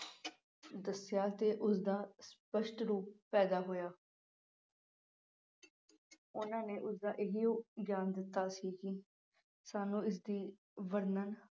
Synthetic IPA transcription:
d̪əsɪjaːt̪eːʔʊsd̪aːspəʃʈɾuːpːɛːd̪aːɦoːjaː | ʊnãːneːʔʊsd̪aːʔɪɦioːɡjaːnd̪ɪt̪ːaːsiːkiː | saːnũːɪs̬d̪iː | ʋəɾnən

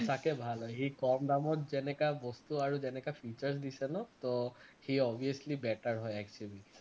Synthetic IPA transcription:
sakebʱalɦɔjɦikɔmd̪amɔt̚zɛnɛkabɔst̪uaɹuzɛnɛkapʰit͡ʃaɹs̬d̪isɛnɔt̪ɔhiɔbʱiaslibɛʈaɹɦɔjɛkt͡ʃubi

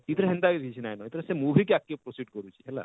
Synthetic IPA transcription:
it̪ʰɾeɦɛnd̪akiit͡ʃʰinajnɔit̪ʰɾesemubʱikeakːipɾɔsiɖkɔɾut͡ʃʰi̥ɦɛla̰

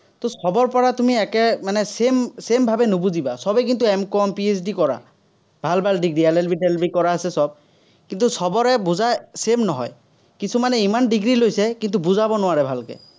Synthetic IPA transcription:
t̪osɔbɔɹpɔɹatumiɛkɛmanɛsemsembʱabɛnubuzibasɔbɛk̬int̪̬uɛmkɔmpies̬dikɔɹa̰ | bʱalbʱalɖiɡɹiɛlɛlbʱiɖelbikɔɹaasɛsɔb̚ | kint̪usɔbɔɹɛbuzasemnɔɦɔ̰j | kisumanɛimandiɡɹilojsɛkint̪̬ubuzabɔnʊwaɹɛbʱalkɛ̰

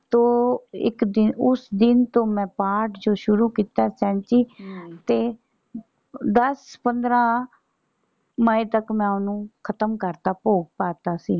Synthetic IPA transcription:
t̪õːɪ̰kd̪ɪnʊsd̪ɪnt̪õːmɛ̃ːpaːɾʈd͡ʒoːʃʊɾuːkiːt̪aːsɛ̃ːnt͡ʃiːt̪eː | d̪əspənd̪ɾaː | məĩt̪əkmɛ̃ːʊnũːkʰət̪əmkəɾt̪aːpoːɡ̚paːt̪aːsiː

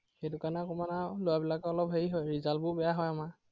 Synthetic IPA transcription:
xejdʊkanakɔmanalojabilakɛɔlɔpɦeɹiɦɔjɹizalbʊbɛjaɦɔjama

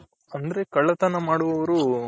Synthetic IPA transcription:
ɐnd̪ɐɾe̞kɐɭːɐt̪ɐnɐmaːɽuʋɐʋɐɾu

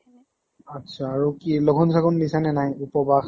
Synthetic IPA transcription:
atsʰaːɹukilɔɡʱɔns̬ʰaɡɔnbisanɛnajupɔbax

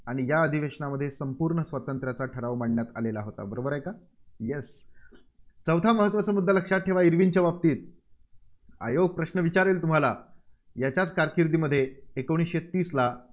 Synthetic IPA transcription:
aɽ̃ijaəd̪ʱiʋeʂɳaməd̪ʱːjesəmpuːɾɳəsʋət̪ənt̪ɾjat͡saʈʰəɾaʋmaɳɳjat̪a̰lelaɦot̪a̰bəɾobəɾajka | jes | t͡səʋt̪ʰaməɦət̪ːʋat͡samud̪ʱːaləkʂat̪̚ʈʰeʋaiɾʋint͡ɕaʋap̚t̪iːt̪̚ | a̰joɡ̚pɾəɕnəʋit͡ɕaɾiːlt̪um̤ala | jat͡ɕjat͡skaɾkiɾd̪iːməd̪ʱːjeekəɽ̃iɕet̪iːsla

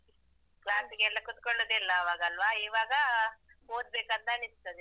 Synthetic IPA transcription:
klaːnsiɡeɛlːɐkut̪koɭːoːd̪ilːɐːʋaːɡɐɐlːʋaiːʋaːɡɐɦoːd̪̚beːkɐnt̪ɐnist̪ɐd̪e

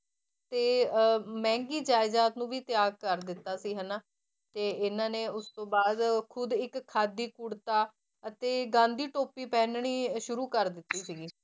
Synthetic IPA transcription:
t̪eːmɛ̃ːŋɡiːd͡ʒaːɪzaːt̪nũːʋiːt̪ɪjaːɡ̚kəɾd̪ɪt̪ːaːsiːɦənaː | t̪eːɪnãːneːʊst̪õːbaːd̪kʰʊd̪ɪkkʰːaːd̪iːkuɽt̪aː | ət̪eːɡãːnd̪iːʈoːpiːpɛːnɳiːʃʊɾuːkəɾd̪ɪt̪ːiːsiːɡiː

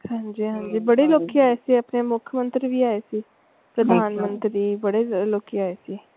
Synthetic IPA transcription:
hãːɲd͡ʒiːɦãːɲd͡ʒiːbəɽeːloːkijaːeːsiːəpneːmʊkʰəmə̃nt̪ɾiːʋiːaːeːsiː | pɾəd̪ʱaːnmə̃nt̪ɾiːbəɽeːloːkiaːeːsiː

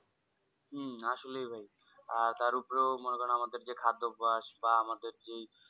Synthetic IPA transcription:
ɦm̩aʃolejbʱaj | aɾt̪aɾupɾemonokɔnamad̪eɾd͡ʑekʰad̪ːobaʃbaamad̪eɾd͡ʑe

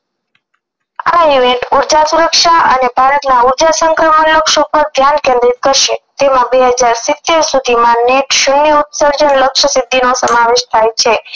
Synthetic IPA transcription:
ajueʈuɾd͡ʒasuɾəkʃaʔənebʱaɾət̪nauɾd͡ʒasəŋkɾəmənləkʃopəɾd̪ʱjankẽnd̪ɾit̪̚kəɾʃet̪emãbeɦəd͡ʒaɾsɪt̪eɾsud̪ʱimãneʈʃunːiut̪səɾd͡ʒənləkʃəsɪd̪ʱːinosəmaʋeʃt̪ʰajt͡ʃʰe

